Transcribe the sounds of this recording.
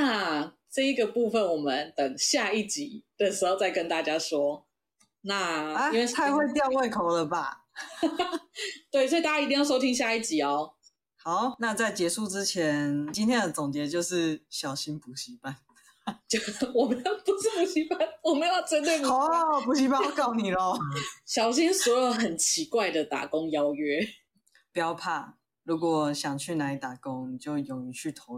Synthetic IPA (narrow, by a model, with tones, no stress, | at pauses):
na˥˨ | ʈ͡ʂɤ˥˧i˧˦ɡə˨pu˥˩fə˨˩nwɔ˨˩mə˦nt̪ə˨˩ŋɕja˥˧i˥˩t͡ɕi˨˩˦d̪̥ə˨ʂɻ̩˧˥xo˥˧ʊt͡sa˥˩ɪkə˧˦nt̪a˥˩t͡ɕja˥ʂwɔ˥ | na˥˨a˥˦i˥nwe˥˧ɪt͡sʰa˧ɪwe˥˧ɪt̪jɑ˥˧xwe˥˩ɪkʰo˨ʊlə˨ba̰˩ | t̪we˥˩ɪswɔ˧˥i˨˧t̪a˥˩ja˧˨˧t̪i˥˧jɑ˥˩ʊʂo˥ʊt̪ʰi˥ŋɕ̬ja˥˧i˥˩t͡ɕi˨˩ɔ˦ | ha˨˦ʊna˥˧t͡sa˥˩ɪt͡ɕjɛ˧˥ʂu˥˨ʈ͡ʂɻ̩˦t͡ɕʰjɛ˧˦nt͡ɕi˥nt̪ʰjɛ˥nd̪ə˨˩t͡sʊ˨˩ŋt͡ɕjɛ˧˥t͡ɕjo˥˧ʊʂɻ̩˥˨ɕjɑ˨˩ʊɕi˦˥npu˨˩ɕi˧˥pa˥˩n˧ | wɔ˨˩m˦jo˨˧˩pu˨˩s̩˥˩pu˨˩ɕi˧˥pa˥˩nwɔ˨˩me˧˥˦jo˨˩ʊʈ͡ʂə˥nt̪e˥˩ɔ˨˦pu˨ɕi˧˥pa˥˧nwkɑ˥˩ʊni˨˩lɔ˨˦ɕjɑ˨˩ʊɕ̬i˦˥nswɔ˧˥jo˧˩ʊxə˨˩nt͡ɕʰi˧˥kwa˥˩ɪd̪ə˨t̪a̰˨˩ko˦ŋjɑ˥ʊɥɛ˥ | pu˨˩jɑ˥˧ʊpʰa˥˩ | ɻu˧˥kwɔ˨˩ɕjɑ˨˩ŋt͡ɕʰy˥˩na˧˥it̪a˨˩kʊ˦ŋni˨˩t͡ɕjo˥˩ʊjo˨˩ŋy˧˦t͡ɕʰy˥˩t̪ʰo˧˦ʊ